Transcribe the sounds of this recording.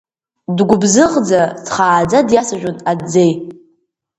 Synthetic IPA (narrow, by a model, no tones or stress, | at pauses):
dɡʷʊbzɨʁd͡zat͡sʰχaːd͡zadjasaʒᶣʷʊnad͡zej